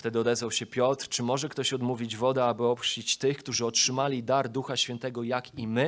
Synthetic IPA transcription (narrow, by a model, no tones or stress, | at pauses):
ft̪ɛd̪ɘɔd̪ɛzvawɕɛpʲjɔt̪ɾt͡ʂɘmɔʐɛkt̪ɔɕɔd̪muvʲid͡ʑvɔd̪ɛabɘɔpt͡ɕit͡ɕt̪ɘxkt̪uʐɘɔtʂɘmalʲid̪aɾd̪uxaɕfʲjɛnt̪ɛɡɔjakimɘ